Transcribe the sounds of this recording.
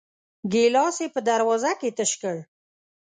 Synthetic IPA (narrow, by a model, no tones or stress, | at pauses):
ɡelɑsepəd̪aɾwɑzaket̪əʃkəɽ